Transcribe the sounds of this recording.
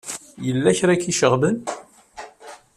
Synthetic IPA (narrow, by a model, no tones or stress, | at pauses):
jəlːæçɾækːiʃəʁbən